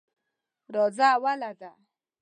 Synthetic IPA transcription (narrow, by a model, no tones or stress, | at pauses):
ɾɔd͡zaːwalad̪a